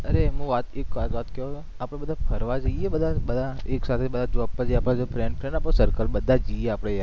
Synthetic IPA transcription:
əɾeɦũʋat̪ekʋat̪ʋat̪kɛot̪o | apɽ̃ebəd̪ʱapʰəɾʋad͡ʒəiebəd̪ʱabəd̪ʱaeksat̪ʰebəd̪ʱad͡ʒoapːad͡ʒiapɽ̃ad͡ʒopɾɛɳɖpɾɛ̃ɳaposəɾkəlbəd̪ʱːad͡ʒəieapɽ̃ea

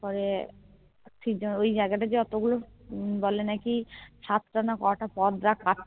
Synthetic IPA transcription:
pɔɾe | ʈʰikd͡ʒoojd͡ʑaeɡaʈad͡ʑeɔt̪oɡulobɔlenakiʃat̪ɾanakɔwaʈapɔd̪ɾakːaʈ̚

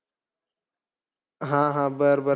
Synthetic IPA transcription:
ɦãːɦãːbəɾbə

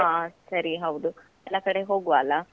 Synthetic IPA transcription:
asɐɾiɦɐwd̪u | ɛlːakɐɽe̞ɦo̞ːɡuʋaːlɐ

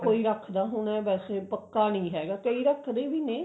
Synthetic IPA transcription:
koːiːɾəkʰd̪aːɦʊnɛːbɛːseːpəkːaːnəĩːɦɛːɡaːkəiːɾəkʰd̪eːʋiːnẽː

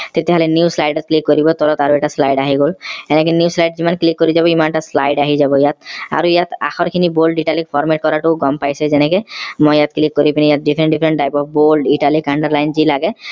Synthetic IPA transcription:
t̪et̪ɛɦɔlɛnjuslajɖɔt̪̚klikːoɾibɔt̪ɔlɔt̪aɾuɛʈaslajɖaɦiɡolɛnɛkɛnjuslajɖzimanklikːoɾizabɔimanʈasla̰jɖaɦizabɔijat̪a̰ɹuijat̪a̰xɔɾkʰinibolɖiʈalik̚pʰɔɹmeʈ̚kɔɾaʈuɡɔmpajsɛzɛnɛkɛmɔjjat̪klikːoɾipinijat̪̚ɖipʰɾɛɳʈɖipʰɾɛɳʈ̚ʈajpɔp̚ʰbolɖiʈalikaɳɖaɹlajnzilaɡɛ

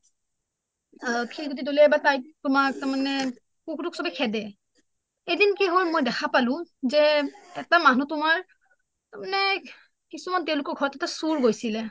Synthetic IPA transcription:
akʰilɡot̬idolɛbatajtʊmak̚taɹmanɛ | kukduksɔbɛkʰɛdɛ | edinkɛɦojmojdɛxʰapalʊ̃zɛɛk̚tamanutʊmaɹ | tamanɛ | kisumantɛ̃ʊ̃lʊkɔɹɡʱɔɹɔtɛtasuɹɡojsilɛ

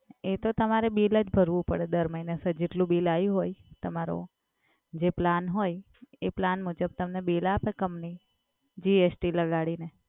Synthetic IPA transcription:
et̪ot̪əmaɾebiləd͡ʒbʱəɾʋũpəɽed̪əɾməinesəd͡ʒeʈlũbilaiɦojt̪əmaɾo̰ | d͡ʒeplanɦoj | eplanmud͡ʒəb̚t̪əmnebilapekəmni | d͡ʒiesʈiləɡaɽine

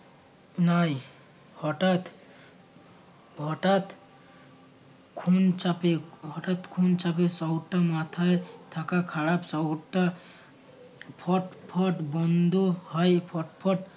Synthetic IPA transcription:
naj | hɔʈat̪ | bʱɔʈat̪ | kʰunt͡ʃapebʱɔʈat̪kʰunt͡ʃapesɔwʈamat̪ʰaet̪ʰakakʰaɽapsɔwʈa | pʰɔʈpʰɔʈbɔnd̪ʱuhɔjpʰɔʈpʰɔʈ

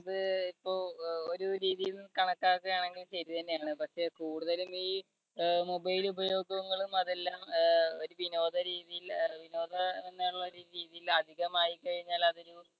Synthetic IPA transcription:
ɐðɨipːo̞ːo̞ɾuɾiːðijilnɨkɐɳɐkːaːkːɐjaːɳe̞ŋɡilɕɐɾit̪ɐnːe̞jaːɳɨpɐkʂe̞kuːɽuðɐlumiː | mobɐjilubɐjo̞ːɡɐɣuŋːɐɭumɐðe̞lːaːmo̞ɾuʋino̞ːd̪ʱɐɾiːðijilʋino̞ːd̪ʱɐenːaːuɭːoɾuɾiːðijilɐd̪ʱiɣɐmaːjikːɐɻiɲːaːlɐðo̞ɾu

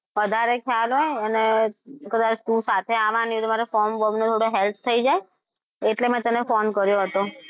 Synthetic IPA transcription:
ʋəd̪ʱaɾekʰjalɦɔeənekəd̪at͡ʃʰt̪ũsat̪ʰeaʋãnid̪maɾefɔɾmʋəbnot̪ʰoɽoɦɛlp̪ʰt̪ʰːəid͡ʒae | eʈlemɛ̃t̪ənefɔnkəɾjoɦət̪o

